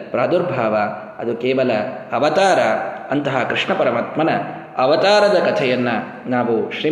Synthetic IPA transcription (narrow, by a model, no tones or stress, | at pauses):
pɾaːd̪uɾbʱaːʋɐ | ɐ̰d̪ukeːʋɐlɐɐʋɐt̪aːɾɐɐnt̪ɐɦakɾiʂɳɐpɐɾɐmaːt̪mɐnɐ | ɐʋɐt̪aːɾɐd̪ɐkɐt̪ʰɛjɐnːɐ | naːʋuʃɾiː